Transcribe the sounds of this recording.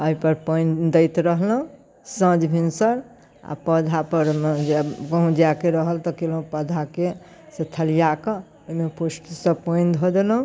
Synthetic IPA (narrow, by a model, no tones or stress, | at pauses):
əɦipəɾpəɪ̃nd̪əɪt̪ɾəɦlɦũ | sə̃d͡ʒbʱinsəɾ | a̰pəd̪ʱapəɾd͡ʒkəɦũd͡ʒakeɾəɦəlt̪ɔkelɦũpəd̪ʱake | set̪ʰəlijake | mepʰosʈsəpəɪnd̪ʱod̪elɦũ